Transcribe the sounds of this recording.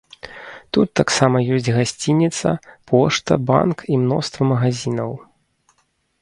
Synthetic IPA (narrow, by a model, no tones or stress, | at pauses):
t̪ut̪ːaksamɐjɔsʲd͡zʲɣasʲt͡sʲinʲit̪sɐ̰pʰɔʂt̪ɐ̰ba̰nkimnɔ̰st̪vɐmɐɣazʲinɐw